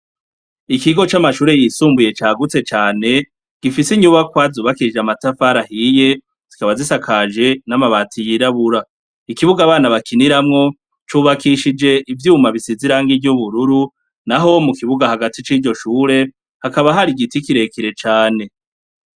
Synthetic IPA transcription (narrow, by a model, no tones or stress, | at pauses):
ikiɡo̞t͡ʃamaʃuːɾe̞jisuːmbuje̞t͡ʃaːɡut͡se̞t͡ʃaːne̞ | ɡ̥ifisiɲuβakwazuːβakid͡ʒamatafaɾahije̞ | z̥ikaβazisakʰaːʒe̞namaβatijiɾaβuɾa | ikiβuɡaːβaːnaβakiniɾamŋo̞ | t͡ʃuːβakiʃid͡ʒe̞ʔivjuːmaβisiziɾaːŋɡivjuβuɾuɾu | naɦo̞mukiβuɡahaɡatit͡ʃiːɟo̞ʃuːɾe̞ | hakaβaɦaɾiɡitikiɾe̞kiɾe̞t͡ʃaːne̞